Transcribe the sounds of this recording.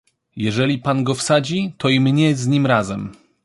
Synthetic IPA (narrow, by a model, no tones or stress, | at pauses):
jɛʐɛlʲipanɡɔfsad͡ʑit̪ɔimɲɛzɲimɾazɛm